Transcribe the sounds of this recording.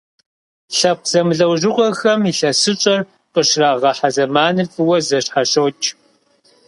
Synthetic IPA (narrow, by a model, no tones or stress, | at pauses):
ɬɐp̚z̥ɐmɨɮɐwʒɪʁʷɔxɐmiɬɐsɨt͡ʃʼɐr | qʼəʂraːʁɐħazɐmaːnɨfʼɨwɐzɐɕħaɕowt͡ʃʼ